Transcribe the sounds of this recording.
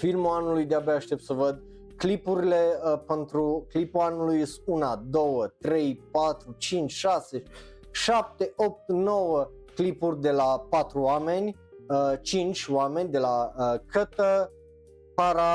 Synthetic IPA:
filmuanulujd̪eabeaʃt̪e̞p̚t̪səvəd̪ | klipuɾile̞pent̪ɾuklipuanulujest̪unad̪o̞wət̪ɾe̞jpat̪ɾut͡ʃint͡ʃʲʃase̞ | ʃap̚t̪e̞o̞p̚t̪no̞wə | klipurʲd̪e̞lapat̪ɾuame̞nʲ | ət͡ʃint͡ʃʲoame̞nʲd̪e̞laəkʰət̪ə | paɾa

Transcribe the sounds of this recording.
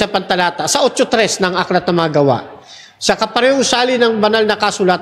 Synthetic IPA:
sɐpɐnt̪ɐlaːt̪ɐsɐʔot͡ʃot̪ɾɛsnɐŋaklɐt̪̚nɐmɐŋɐɡɐwa̰ʔ | sɐkɐpɐɾɛhoʊsaːlɪnɐŋbɐnalnɐkasʊlat̪̚

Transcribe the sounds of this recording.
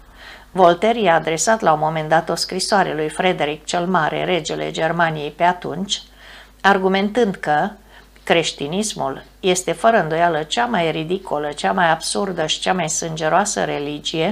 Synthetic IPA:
vo̞lt̪e̞ɾijaːd̪ɾe̞sat̪laumo̞me̞nd̪at̪o̞skɾisoaɾḛalujfɾe̞d̪e̞ɾik̚t͡ʃelmaɾḛɾe̞d͡ʒe̞le̞̰d͡ʒe̞rmanije̞jpe̞at̪unt͡ʃʲ | arɡume̞nt̪ɨnd̪kə | kɾe̞ʃt̪inismul | je̞st̪e̞fəɾəɨnd̪o̞jalət͡ʃamajrid̪ikolət͡ʃamajabsurd̪əʃi̥t͡ʃamajsɨnd͡ʒe̞ɾoasə̰ɾe̞lid͡ʒije̞

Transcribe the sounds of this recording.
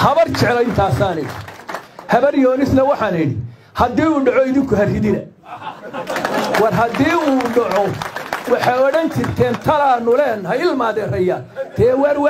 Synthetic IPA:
hɐβɐrt͡ʃʰɛʕlɔɪnt̪ʰaːsaːnɛɽihɐβɐrjɔːnɪsnɐwɑħɑːnɛɽḭ | hɐd̪iːuːɖɑʕɔɪðɪŋkʰʊɦɐrhɪðɪnɐ | wɑrɦɐd̪iːuːɖɐʕɔwɑħɑjɔɽɐnt͡ʃʰɪrt̪ʰɛːnt̪ʰɐlaːnʊlɛːnɦɐjɪlmaːðɛrɐja | t̪ʰɛːwɛɾw

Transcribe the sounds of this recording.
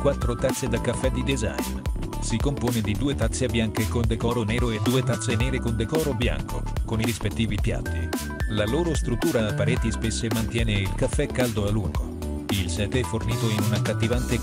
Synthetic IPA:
kwat̪ːɾot̪at̪sːed̪alkafːɛd̪id̪eza̰jn | sikompoːned̪id̪uːet̪at̪sːebjaŋkekond̪ekɔːɾoneːɾoed̪uːet̪at̪sːenɛːɾekond̪ekɔːɾobja̰ŋkʰo̰koniɾispet̪ːiːvipja̰t̪ːi | laloːɾost̪ɾut̪ːuːɾaapːaɾɛːt̪ispesːemant̪jɛːneilkafːɛkːald̪oalːuŋɡo̰ | ilsɛːt̪eɛforniːt̪oinunakːat̪ːivant̪e

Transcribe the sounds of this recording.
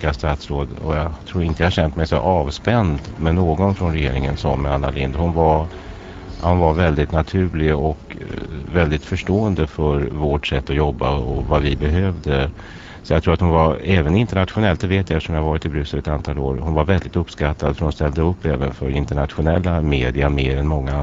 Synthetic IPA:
kast̪at̪sɾoːd̪ɔ̰jɑt̪ʰɾuːɾɪnt̪əjahaɾɕɛnt̪mɛjsɔ̰ʔɑːvspɛnd̪mɛnoːɡɔnfɾɔnɾɛjḛːɾɪŋənsɔmːanːa̰lɪnd̪hʊnva | hʊnvaɾvɛld̪ɪt̪nat̪ʰʉ̟ːlɪɔkvɛld̪ɪt̪fœʂʈoːənd̪əfœɾvoːʈsɛt̪ːɔjɔbːaɔ̰vavɪbɛɦøːvd̪ə | sɔjaɡt̪ʰɾuːɾat̪hʊnvaɾɛːvənɪnt̪əɳat̪ɧʊnɛlt̪d̪ɛveːt̪jaɛfə̥ʂɔmjahavɑːɾɪt̪ɪbɾʉ̟ːsəɾɛt̪ant̪ʰɑːlo̰ːɾhʊnvaɾvɛld̪ɪt̪ɵpːskat̪ʰːad̪fœɾhʊnst̪ɛld̪əɵpːɛːvənfœɾɪnt̪əɳat̪ɧʊnɛlːameːd̪ɪameːɾɛnmɔŋːa

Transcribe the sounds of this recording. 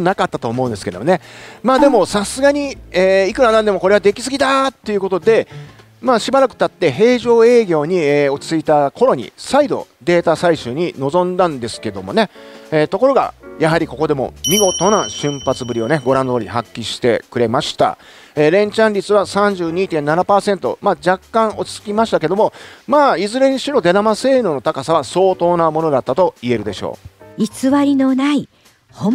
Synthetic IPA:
nakat̪ːat̪oːmo̞ɯ̃nd̪e̞sɨ̥ke̞d̪omonemaːd̪e̞mo̞sasɨɡaɲ̟ieːikɯ̟ɾanãnd̪e̞mo̞ko̞ɾeβad̪e̞kʲi̥sɨɡʲit̪at̪ːe̞jɯ̟ko̞t̪o̞d̪e̞ | maːɕibaɾakɯ̟̥t̪at̪ːe̞ɦe̞ːʑo̞ːe̞ːɡʲo̞ːɲ̟ieo̞i̥t͡sɨit̪ako̞ɾo̞ɲ̟ḭsaid̪o̞̰d̪e̞ːt̪asaiɕɨːɲ̟ino̞zõ̞nd̪ãnd̪e̞sɨ̥ke̞d̪o̞̰mo̞̰ne̞eːt̪o̞ko̞ɾo̞ɡa̰jaɦaɾʲiko̞ko̞d̪e̞mo̞̰mʲiɡo̞t̪o̞naɕɨ̃mpat͡sɨbɯ̟ɾʲio̞ne̞ɡo̞ɾãnd̪o̞ːɾʲiɦakʲːiɕi̥t̪e̞̰kɯ̟ɾe̞maɕi̥t̪a̰ | eːɾẽ̞ɲ̟t͡ɕãnʲɾʲit͡sɨβasãɲ̟d͡ʑɨːɲ̟iːt̪ẽnːanapaːsẽ̞nt̪o̞̰maːd͡ʑakːãɰ̃ʔo̞t͡sɨ̥t͡sɨ̥kʲimaɕi̥t̪ake̞d̪o̞mo̞maːizɨɾe̞ɲ̟iɕiɾo̞d̪e̞namase̞ːnɯno̞t̪akasaβaso̞ːt̪o̞ːnamo̞no̞d̪at̪ːat̪o̞ie̞ɾɯ̟d̪e̞ɕo̞̰ːit͡sɨβaɾʲinonai | ho

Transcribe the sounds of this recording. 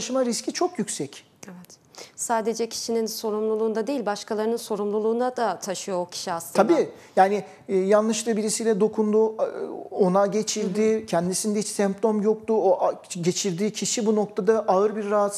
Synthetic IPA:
ʃɯmaɾiscʰit͡ʃʰo̞kjycʲsɛc | evɛt̪ | saːd̪e̞d͡ʒɛcʰi̥ʃininso̞ɾumlˠulˠuːnd̪ad̪eilʲbaʃkʰalˠaɾɯnɯnso̞ɾumlˠulˠuːnd̪ad̪at̪ʰaʃɯjoocʰi̥ʃiaslˠɯabiː | jaːnɪ | janlˠɯʃlˠɯbiɾisijlʲɛd̪o̞kʰund̪u | o̞naɟe̞t͡ʃʰiɾd̪icʰɛnd̪isind̪ɛit͡ʃsɛmp̚t̪ʰo̞mjo̞k̚t̪uoʔɟe̞t͡ʃʰiɾd̪iːcʰiʃibuno̞k̚t̪ʰad̪aʔaɯɾbiɾːaɦat̪

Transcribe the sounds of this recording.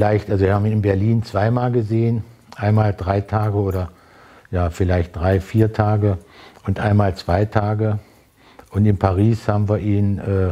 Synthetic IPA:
laɪçtʔalzoviːɐhaːbm̩iːnɪnbɛɐliːnt͡sv̥aɪmaːlɡəzeːən | ʔaɪnmaːldʁaɪtʰaːɡəoːɾɐ | jaːfɪlaɪçt̚d̥ʁaɪfiːɐtʰaːɡəʔʊntʔaɪnmaːlt͡sv̥aɪtʰaːɡə | ʔʊntɪnpʰaʁiːshaːbm̩viːɐʔiːnʔɛː

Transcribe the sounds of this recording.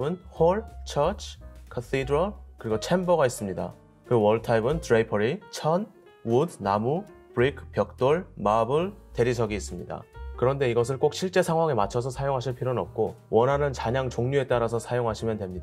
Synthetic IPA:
ɯnhoɭt͡ɕʰʌt͡ɕʰkʰat̪ʰidɯɾʌɭkɯɾiɡot͡ɕʰe̞mbʌɡais͈ɯmɲida̰ | kɯwʌɭtʰaibɯntɯɾeipʰʌɾit͡ɕʰʌn | wudnamu | pɾikʰp͈jʌk̚t͈oɭmabɯɭte̞ɾisʰʌɡiːs͈ɯmɲida̰kɯɾʌnde̞iɡʌs̬ʰɯɭk͈ok̚ɕ͈ʰiɭt͡ɕ͈e̞sʰaŋɦwaŋemat͡ɕʰʌs̬ʰʌsʰajoŋɦaɕʰiɭpʰiɾonʌp̚k͈owʌnɦanɯnt͡ɕaɲaŋt͡ɕoŋɲue̞t͈aɾasʰʌsʰajoŋɦaɕʰimjʌntwe̞mɲida

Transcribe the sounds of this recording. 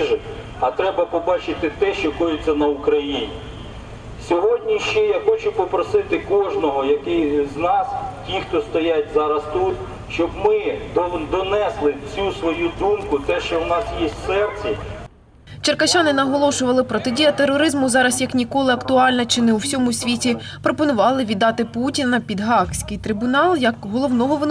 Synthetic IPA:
ʒɪ | ɐt̪ɾɛbɐpɔbɑt͡ʃɪt̪ɪt̪ɛʃt͡ʃɔkɔjʊt͡sʲːɐnɐʊkɾɐjinʲi | sʲɔɦɔdʲnʲiʃt͡ʃɛjaxɔt͡ʃʊpɔpɾɔsɪt̪ɪkɔʒnɔɦɔjɐkɪjznɑstʲixt̪ɔst̪ɔjatʲzɑɾɐst̪ut̪ | ʃt͡ʃɔbmɪd̪ɔnɛslˠɪt͡sʲusʋɔjud̪umkʊt̪ɛʃt͡ʃɔwnɑsjesʲtʲsɛrt͡sʲɛ | t͡ʃerkɐt͡ʃɑnɪnɐɦɔlˠɔsʊʋɐlˠɪpɾɔt̪ɪdʲijɐt̪erːɔɾɪzmʊzɑɾɐsjɐknʲikɔlˠɪɐkt̪ʊɑlʲnɐt͡ʃɪnɛuwsʲɔmʊsʲʋʲitʲi | pɾɔpɔnʊʋɑlˠɪʋʲid̪ːɑt̪ɪputʲinɐpʲid̪ɦɑksʲkɪjt̪ɾɪbʊnɑlˠjɐkɦɔlˠɔwnɔɦɔʋɔn

